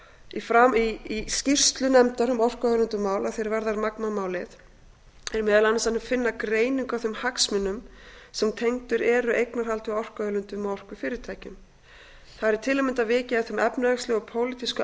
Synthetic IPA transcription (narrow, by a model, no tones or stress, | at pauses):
ifɾamiscir̥st̪lʏnɛmt̪aɾʏmɔr̥kaœlʏnt̪ʏmaːwlaθejɾɪɾvaɾðaɾmaknamaːwlɪθ | ɛɾmɛːðalanɪsanɪfɪnːakɾeːjniŋkawθʏmhaksmɪnːʏmsɛmt̪ʰejŋt̪ʏɾʔɛːɾʏʔejknaɾhalt̪ʏɔr̥kaœlʏnt̪ʏmɔr̥kʏfɪːɾɪɾ̥t̪ʰaːjcʏm | θaðɾt̪ʰɪlɛmɪnt̪avɪːcɪaθʏmɛpnʏaxst̪lɛːɣɔpʰoːwlit̪iskʏ